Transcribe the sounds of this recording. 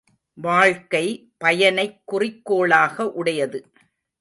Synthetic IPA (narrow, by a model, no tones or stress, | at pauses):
ʋaːɻkɐɪ | pɐjɐnɐɪkːʊrɪkːoːɭaːɣɐʔʊɽɐjɐðɯ